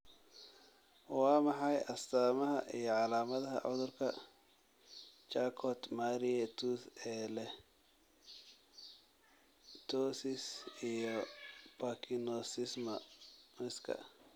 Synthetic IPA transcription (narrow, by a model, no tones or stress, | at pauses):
wɑːmɑħɑjɐst̪ʰaːmɐɦɐʔijɔʕɑlaːmɐðɐɦɐ̰ʕʊðʊrkʰɐ | t͡ʃakʰɔt̪maːɾiɛt̪ʰuθɛːlɛ | t̪ʰɔsɪsijɔpɐkʰinɔsɪsmɐmɪskʰɐ̰